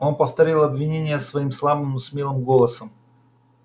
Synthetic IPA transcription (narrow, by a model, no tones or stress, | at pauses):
o̞npəft̪ɐɾʲilˠɐbvʲɪnʲenʲɪjəsvɐimslˠabɨmnosmʲelˠɨmɡo̞lˠəsəm